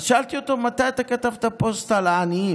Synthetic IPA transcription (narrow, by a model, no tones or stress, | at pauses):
ʃalt̪iot̪omɐt̪at̪aket̪aft̪apost̪alani